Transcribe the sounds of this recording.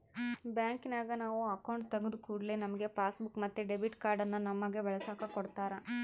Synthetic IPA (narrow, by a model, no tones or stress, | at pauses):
bjaːŋkinaːɡɐnaːʋuɐkɐwɳʈt̪ɐɡud̪ukuːɽɐlenɐmɐɡepaːsbukmɐt̪ːeɖebiʈkaːɾɖɐnːɐnɐmːɐɡeʋɛɭɐsaːkɐkɔɽt̪aːɾa